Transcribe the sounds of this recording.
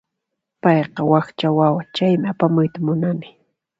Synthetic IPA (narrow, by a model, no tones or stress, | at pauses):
pɑjqɑwɑxt͡ʃawawat͡ʃajmɪapamʊjt̪amʊnanɪ